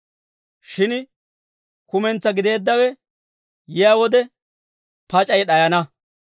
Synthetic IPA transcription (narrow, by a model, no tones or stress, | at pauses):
ʃɪn | kʊmɛnt͡sːɐɡɪd̪e̞ːd̪ːɐwɛ | jɛjawɔd̪ɛ | pɐt͡ʃʼɐjɗɐjɐnɐ